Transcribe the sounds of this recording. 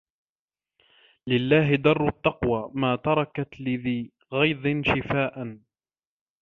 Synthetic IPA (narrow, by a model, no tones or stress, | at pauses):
lɪlːaːɦɪd̪ɑrˤːʊt̪ːɑqwaːmaːt̪ɑɾˤɑkat̪lɪðiː | ɣɑjd̪ˤɪnʃɪfaːʔan